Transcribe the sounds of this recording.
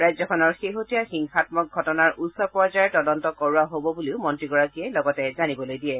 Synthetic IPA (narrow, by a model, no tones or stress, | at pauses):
ɹajzɔkʰɔnɔɹxeɦotijaxiŋxatmɔk̚ɡʱɔtɔnaɹutsɔpɔɹzaɹɛtɔdɔntɔkɔɹuaɦobɔbuliʊmɔntɹiɡɔɹakiɛlɔɡɔtɛzanibɔlojdiɛ